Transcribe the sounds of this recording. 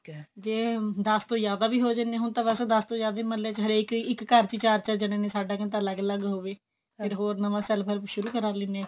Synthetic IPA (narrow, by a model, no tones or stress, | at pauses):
d͡ʒeːd̪əst̪õːjaːd̪aːbiːɦoːd͡ʒənẽːɦʊnt̪ãːʋɛsd̪əst̪õːjaːd̪aːiməlːeːt͡ʃɦəɾeːkɪkːəɾt͡ʃit͡ʃaːɾt͡ʃad͡ʒəɽ̃ẽːnẽːsaːɖaːkənt̪aːləɡləɡɦoːʋeː | ɪɾɦoːɾnəʋãːsɛlpʰəlʃʊɾuːkəɾaːlɪnẽː